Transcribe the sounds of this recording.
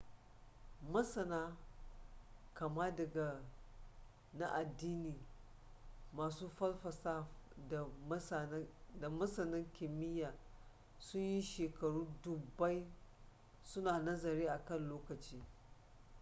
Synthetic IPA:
mɐ˦sɐ˨naː˦ | kɐ˨ma˦dɐ˨ɡa˨ | na˦ʔa˨dːiː˦niː˨ | maː˨suː˦ɸɐ˦lɸɐ˨sa˦f | da˨mɐ˦sɐ˨nɐ˦ŋkʲɪ˨mɪ˦jaː˨ | sʊ˦ɲji˦ʃeː˨kɐ˨ɽuː˦dʊ˨ba˦j | sʊ˦naː˨nɐ˦zɐ˨ɾeː˦ʔa˨kɐ˦˨nloː˦kɐ˨t͡ʃiː˦

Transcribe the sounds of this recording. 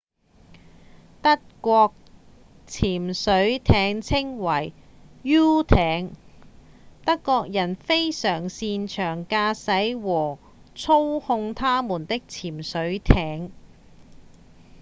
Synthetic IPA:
t̪ɐ˥t̚kʷɔː˧k̚ | t͡sʰiː˨˩msɵ˨˥ɥt̪ʰɛː˨˥ŋt͡sʰɪ˥ŋwɐ˨˩j | jyː˥t̪ʰɛː˨˥ŋ | t̪ɐ˥kːɔː˧k̚jɐ˨˩nfe˥jsœː˨˩ŋsiː˧nt͡ʃʰœː˨˩ŋkaː˧sɐ˨˥jwɔː˨˩ | t͡sʰo˥whʊ˧ŋt̪ʰaː˥muː˨˩nt̪ɪ˥k̚t͡sʰiː˨˩msɵ˨˥ɥt̪ʰɛː˨˥ŋ

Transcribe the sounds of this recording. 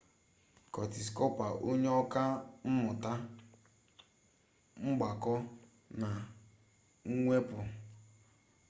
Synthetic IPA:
kɔ˨ti˨s̬kɔ˦pa˨ʔo˦ɲe˦ɔ˦ka˦m̩˦mʊ˨ta˦ | ŋ͡m̩˦ɡ͡ba˨kɔ˦ | na˨ | ŋ̩˦ŋʷe˦pʊ˨

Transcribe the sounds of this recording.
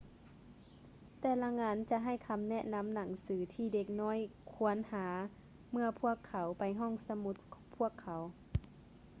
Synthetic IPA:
t̪ɛː˧˩la˧ŋaː˧˥nt͡ɕa˧ɦa˧˩jkʰa˧mnɛ˧˥ʔna˧˥˨mna˨˩˦ŋsɯː˩˦t̪ʰiː˧˩de˧k̚nɔː˧˥˨jkʰu˧˦ənhaː˨˦ | mɯ˧ɐpʰu˥˩əkʰːa˨˩˦wpa˨˦jɦɔː˧˥˩ŋsa˧mu˧˦t̪̚kʰpʰu˥˩əkʰːa˨˦w

